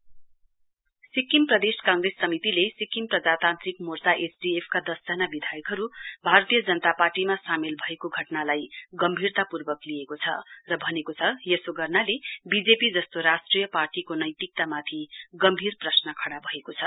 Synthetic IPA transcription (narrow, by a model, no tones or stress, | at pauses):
sikimprʌd̪eskãŋresːʌmit̪ilesikimprʌd͡zat̪ant̪rik̚mort͡saʔesɖiepʰkad̪ʌsd͡zʌnabid̪ʱajʌkɦʌɾubʱaɾʌt̪ijʌd͡zʌnʌt̪aparʈimasamelbʱʌekoɡʱʌʈnalajɡʌmbʱirt̪apurbʌkliekot͡sʰʌ̰rʌbʱʌnekot͡sʰʌjʌsoɡʌrnalebid͡zepid͡zʌst̪oɾasʈrijʌparʈikonʌjt̪ik̚t̪amat̪ʰiɡʌmbʱirprʌsnʌkʰʌɽabʱʌekot͡sʰʌ